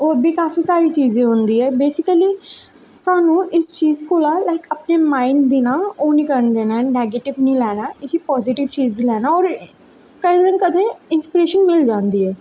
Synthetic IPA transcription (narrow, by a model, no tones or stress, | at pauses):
oːəbʱikaːfʰisaːɾiːt͡ʃiːzẽɦõːnd̪iːɦɛːbeːsɪkəliː | saːnũːʔɪst͡ʃiːzkoːlaːlaːɪkəpnemãːɪnd̪ɪnaːoːnikəɾnd̪eːnaɛnɛːɡeːʈɪʋnĩːlɛːnaːɪkipɔːzɪʈɪʋt͡ʃiːzlɛːnaɔːɾ | kəid̪əɾə̃nkəd̪ẽɪnspɪɾeːʃənmɪld͡ʒãːnd̪iːɦɛː